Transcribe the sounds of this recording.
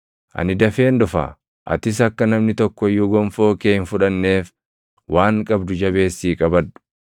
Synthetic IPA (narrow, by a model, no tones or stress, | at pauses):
ʔɐ̰nɪd̪ɐfe̞ːnd̪ʊfa̰ | ʔɐ̰t̪ɪs̬ɐkːɐnɐmnɪt̪ɔkːɔjːuːɡɔmfo̞ːkeːɪnfʊᶑɐnːeːf | wʔaːŋkʼɐbd̪ʊd͡ʒɐbe̞ːsːiːkʼɐbɐd̪ʊ̥